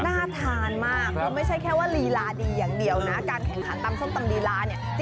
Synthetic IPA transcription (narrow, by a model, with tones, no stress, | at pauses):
naː˥˩t̪ʰaː˧nmaː˥˩k̚ʰːɔ˧ma˥˩jt͡ɕʰa˥˩jkʰɛː˥˩waː˥˩liː˧laː˧diː˧jaː˨˩ŋdi˧əwna˦˥kaː˧nkʰɛ˨˩ŋkʰa˩˦nt̪aː˧msʰo˥˩ŋt̪a˧mliː˧laː˧ni˥˩ɐ